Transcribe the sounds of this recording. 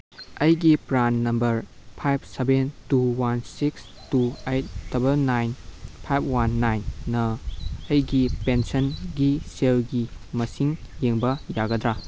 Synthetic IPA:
ɐjɡipɾanːɐmbɐɾpʰajp̚ʰsebentuwansiks | tuejt̚d̥ɐbɐlnajnpʰajp̚ʰwanːajnːɐːjɡipensɐnɡiselɡimɐsiŋjeŋbɐjaɡɐd̪ɾa

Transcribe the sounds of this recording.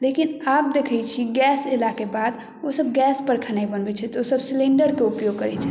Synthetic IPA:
lekinap̚d̪ekʰəjt͡ʃʰiɡɛselakebad̪ | osəb̚ɡɛspəɾkʰənaibənbɛt͡ʃʰɛt̪ɔosəbslẽɳɖəɾkeupjoɡ̚kəɾɛt͡ʃʰɛ̥

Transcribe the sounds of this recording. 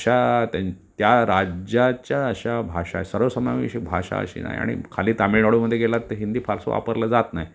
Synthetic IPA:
ɕat̪at̪jaɾad͡ʑat͡ɕjaəɕabʱaʂa̰səɾʋəsəmaʋiɕek̚bʱaʂa̰ə̰ɕḭːna̰ja̰ɽ̃ḭkʰaliːt̪amiɽaɽuməd̪ʱːjeɡelat̪ːəɦind̪iːpʰaɾso̰ʋa̰pəɾləd͡zat̪naɦj

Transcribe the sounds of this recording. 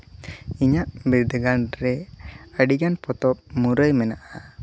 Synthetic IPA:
iɲaʔbiɾd̪ɡanɾɛəɖiɡanpɔt̪ɔp̚muɾəjmɛnaʔa

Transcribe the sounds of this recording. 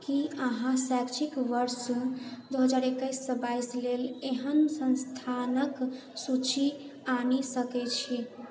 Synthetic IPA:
kiəɦãsakt͡ʃʰikʋəɾsd̪oɦəd͡ʒaːɾekːəjsːə̃baisleleɦənsənst̪ʰanək | sut͡ʃʰi | anisəkɛt͡ʃʰi

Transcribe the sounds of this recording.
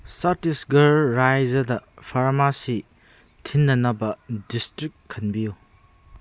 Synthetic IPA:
satisɡɐɾːajzɐdɐpʰaɾmasi | tʰinːɐnɐbɐdistɾik̚kʰːɐnbiju

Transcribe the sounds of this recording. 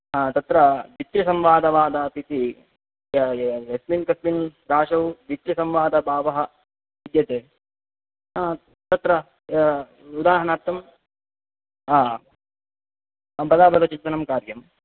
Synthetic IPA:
aːt̪ɐt̪ɾɐd̪it̪ɾɐsɐmʋaːd̪ɐʋaːd̪aːp̪it̪i | ɐsminkɐsminɾaːʂɐwd̪it̪ɾisɐmʋaːd̪ɐbʱaːʋɐɦɐ | ʋid̪jɐt̪eː | aː | t̪ɐt̪ɾɐ | ud̪aːɦɐɳaːɾt̪ːɐm | aː | bɐd̪aːbɐd̪ɐt͡ʃint̪ɐnɐmkaːɾjɐm

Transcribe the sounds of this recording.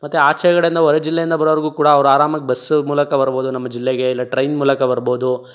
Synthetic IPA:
mɐt̪ːuaːt͡ʃʰɐjɐɡɐɽeind̪ɐɔɾed͡ʒilːejind̪ɐbɐɾɐʋɐɾɐɡuːkuːɽɐːʋɐɾuaːɾaːmɐkːebɐsmuːlɐkɐbɐɾboːd̪unɐmːɐd͡ʒilːeɡe̞ilːɐʈɾɐjnmuːlɐkɐbɐɾbo̞ːd̪u

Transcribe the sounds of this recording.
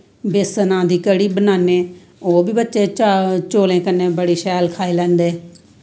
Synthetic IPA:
beːsənãːd̪iːkəɽiːbənaːneː | oːbiːbətːʃeːt͡ʃoːlẽːkənːeːbəɽiːʃɛːlkʰaːeːlɛ̃ːnd̪eː

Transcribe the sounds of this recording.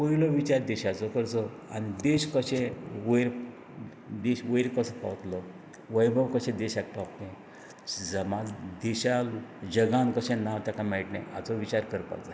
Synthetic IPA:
poilɔʋit͡ɕaɾd̪eɕat͡sɔkəɾt͡sɔ | a̰nid̪eɕkəɕẽʋəjɾ | d̪eɕʋəɾkəsɔpa̰ʋt̪lɔ | ʋəjbʱəʋkəɕẽd̪eɕak̚pat̪ẽ | d͡zəmad͡zd̪eɕalud͡ʑəɡãnkəɕẽnaʋt̪akamɛɭʈnḛ̃at͡sɔʋit͡ɕaɾkəɾpa̰kd͡za

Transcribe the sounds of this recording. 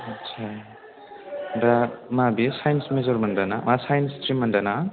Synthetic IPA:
ʌtsʰa | bamabisajnsmezoɾmɐndanamasajnstɾimːəndana

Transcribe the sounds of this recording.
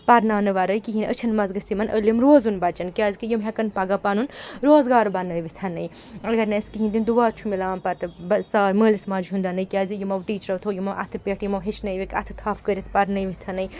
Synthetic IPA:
pɐɾnaːnɨʋɐɾɐjkiɦinət͡ʃʰɐnmɐzɡɐsimɐnʔəlimɾoːzunbɐt͡ʃɐnkʲaːzʲikijumɦʲɛkɐnpɐɡɐpɐnunɾoːzɡaːɾbɐnːɐːjʋit̪ʰɐnːɐj | ɐɡɐɾnɐskiɦĩnd̪ind̪uʋaːt͡ʃʰumilaːmpɐɾt̪ɨbɐsaːɾməːlismɐd͡ʒuɦund̪ɐnɐjkʲaːzijumɐʋʈiːt͡ʃɾɐʋt̪ʰojumɐʔɐ̰t̪ʰɨpʲeʈʰjimɐʋɦet͡ʃʰnɐjʋikʲɐ̰t̪ʰɨ̥t̪ʰaːfʰkəɾʲit̪ʰpɐɾnɐjʋit̪ʰɐnɐj

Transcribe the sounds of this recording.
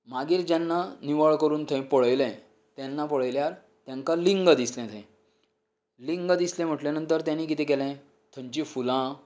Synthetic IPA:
maɡiːɾd͡ʑanːaniʋəɭkəɾuːnt̪ʰẽpəɭəjlɛ̃ | t̪janːapəɭəjljaɾ | t̪jãŋkaliŋɡəd̪islɛ̃t̪ʰɛ̃ | liŋɡəd̪islɛ̃m̤əʈljanənt̪əɾt̪janiːkit̪ɛ̃kɛlɛ̃ | t̪ʰəɲt͡ɕiːfulã

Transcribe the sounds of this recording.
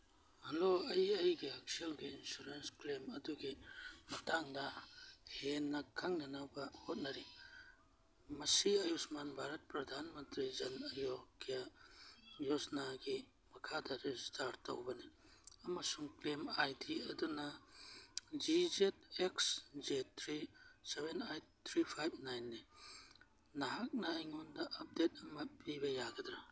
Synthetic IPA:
hɐloɐjɐjɡiɐk̚selɡiːnsuɾensklemɐduɡimɐtaŋdɐhenːɐkʰaŋnɐnabɐhot̚nɐɾi | mɐsiɐjusmanbʱaɾɐt̚pɾɐd̪ʱanmɐnt̪ɾid͡ʒɐnɐjokːijɐ | josnaɡi | mɐkʰadɐɾistaɾtːɐ̰wbɐni | ɐmɐsuŋklemajtʰiɐdunɐ | d͡ʒizet̚eksd͡ʒet̪ʰɾisebenajt̪ʰɾipʰajbnajnːi | nɐɦak̚nɐːjŋundɐʔɐp̚det̚ɐmɐpibɐjaɡɐd̪ɾa

